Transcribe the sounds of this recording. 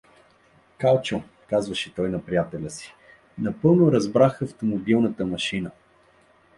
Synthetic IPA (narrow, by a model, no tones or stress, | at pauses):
kalˠt͡ʃo | kazvɐʃɛt̪ɔjnɐpɾijat̪ɛlʲəsi̥ | nɐpɤlˠnoɾɐzbɾaxɐft̪omobilˠnət̪əmɐʃinə